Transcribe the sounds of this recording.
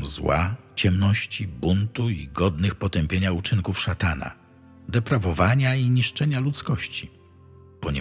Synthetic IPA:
zwa̰ | t͡ɕɛmnɔɕt͡ɕibunt̪uḭɡɔd̪nɘxpɔt̪ɛmpʲjeɲaut͡ʂɘŋkufʂat̪ana̰ | d̪ɛpɾavɔvaɲaiɲiʂt͡ʂɛɲalut̪skɔɕt͡ɕi | pɔɲɛ

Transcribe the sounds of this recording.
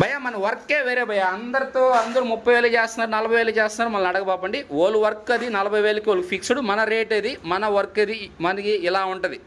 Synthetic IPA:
bʱɐjːaːmɐnɐʋɐɾkːeːʋeːɾeːbʱɐjːaːɐnd̪ɐɾit̪oːɐnd̪ɐɾumupːɐjʋeːlɐt͡ʃeːst̪unːaːɾunɐlɐbʱɐjʋeːlɐt͡ʃeːst̪unaːɾumɐnɐɐɽɐɡɐbaːp̬ɐɳɖioːluʋɐɾkːɐd̪inɐlɐbʱɐjʋeːlɐkioːlkpʰiksuɽumɐnɐɾeːʈɐd̪imɐnɐʋɐɾkːɐd̪imɐnɐkiːlaːuɳʈɐd̪i

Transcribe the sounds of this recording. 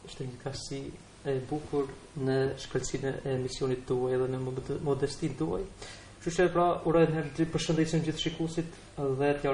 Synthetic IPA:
əʃt̪ɛɲəkasi | ɛbukuɾ | nəʃkəlsinɛɛːmisjɔnit̪d̪uajɛðɛnəmɔd̪ɛst̪ind̪ua̰j | t͡ʃut͡ʃɛpɾauɾɔjnɦɛɾpəɾʃənd̪isind͡ʑiθʃikusit̪ | ðɛt̪ja

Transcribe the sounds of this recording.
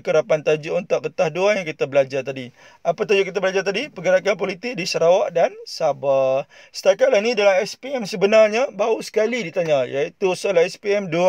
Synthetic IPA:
kəɾapant̪ad͡ʒuʔunt̪uʔkət̪ahduajaŋkit̪abəlad͡ʒart̪adi | apat̪ad͡ʒukit̪̬abəlad͡ʒart̪adipəɡəɾakanpolit̪ɪk̚disəɾawaʔdansabah | sə̥t̪akat̪̚lahnidalamɛspiɛmsəbənarɲabausə̥kalidit̪aɲajait̪usəolahɛspiɛmdua

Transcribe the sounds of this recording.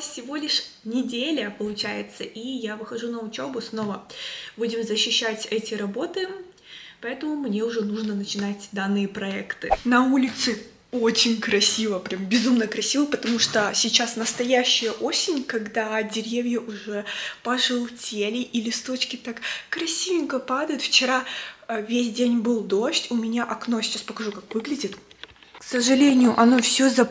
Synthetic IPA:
fsʲɪvo̞lʲɪʂnʲɪdʲelʲəpəlˠʊt͡ɕæjɪt̪səʔijavɨxɐʐunəʊt͡ɕo̞bʊsno̞vəbudʲɪmzəɕːɪɕːætʲɛtʲɪɾɐbo̞t̪ɨ | pɐɛt̪əmʊmnʲeʊʐɛnuʐnənət͡ɕɪnatʲd̪anːɨjəpɾɐɛkt̪ɨnɐulʲɪt̪sɨ | o̞t͡ɕɪnʲkɾɐsʲivəpɾʲambʲɪzumnəkɾɐsʲivəpət̪ɐmuʂt̪osʲɪt͡ɕasnəst̪ɐjæɕːɪjəʔosʲɪnʲkɐɡd̪adʲɪɾʲevʲjəʔʊʐɛpəʐɨlˠtʲelʲɪʔilʲɪst̪o̞t͡ɕkʲɪt̪akkɾɐsʲiɪŋkəpad̪əjʊt̪ft͡ɕɪɾavʲesʲdʲenʲbɨlˠd̪o̞ɕtʲʊmʲɪnʲaʔɐknosʲɪ̥t͡ɕaspəkɐʐukakvɨɡlʲɪdʲɪt̪ | ksəʐɨlʲenʲɪjʊʔɐno̞fsʲozɐ

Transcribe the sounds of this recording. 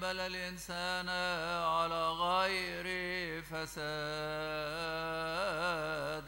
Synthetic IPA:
balalɪnsaːnʕalaːɣaːjɪɾɪfɐsa | d̪

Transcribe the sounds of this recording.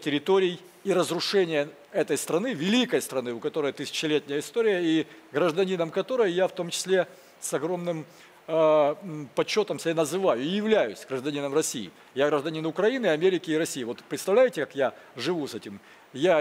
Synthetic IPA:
tʲɪɾʲɪt̪oɾʲɪj | iɾəzrʊʂɛnʲɪjə | ɛt̪əjst̪ɾɐnɨvʲɪlʲikəjəst̪ɾɐnɨʊkɐt̪o̞ɾəjət̪ɨsʲɪ̥t͡ɕɪlʲet̪ʲnʲɪjəɪst̪oɾʲɪjəiɡɾəʐd̪ɐnʲinəmkɐt̪o̞ɾəjəjaft̪o̞mt͡ɕɪ̥sʲlʲe | sɐɡɾo̞mnɨm | pɐt͡ɕːo̞t̪əmsʲɪbʲanəzɨvajʊɪjɪvlʲæjʊsʲɡɾəʐd̪ɐnʲinəmrɐsʲḭjɪ̰ | jaɡɾəʐd̪ɐnʲinʊkɾɐinɨɐmʲeɾʲɪkʲɪːɾɐsʲijːvo̞t̪pɾʲɪt̪st̪ɐvlʲæjɪtʲɪkakjaʐɨvusɛtʲɪm | ja

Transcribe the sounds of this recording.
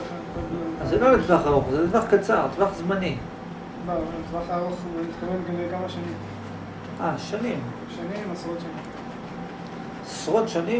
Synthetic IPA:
akolazelolid̪vaχaʁoχzet̪vaχkat͡saʁd̪vaχzmani | bavalamt̪vaχaʁusmit̪kavelɡamekamaʃanim | aʃanim | ʃanimasʁot̪ʃanim | asʁot̪ʃani

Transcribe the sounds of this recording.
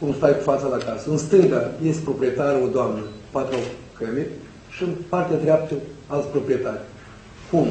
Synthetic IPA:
kumst̪ajkufat̪səlakasəɨnst̪ɨŋɡajest̪ʲpɾo̞pɾie̞t̪aɾod̪oamnəpat̪ɾuakəmerʲ | ʃiɨnpart̪ead̪ɾʲeap̚t̪əalt̪sʲpɾo̞pɾijet̪arʲ | kum

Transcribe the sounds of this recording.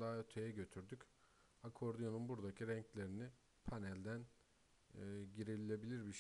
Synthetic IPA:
d̪aːøt̪ʰe̞jɛɟøt̪ʰyɾd̪yc | akʰo̞ɾd̪yjonunbuɾd̪acʰiɾɛɲclʲe̞ɾini | pʰanɛlʲd̪ænː | ɟiɾilʲilʲe̞bilʲiɾbiʃ

